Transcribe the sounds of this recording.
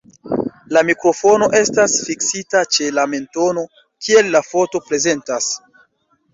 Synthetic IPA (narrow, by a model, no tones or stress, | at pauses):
lamikɾo̞fo̞no̞ʔe̞stasfiksitat͡ʃe̞lame̞nto̞no̞ | kie̞lːafo̞to̞pɾe̞ze̞ntas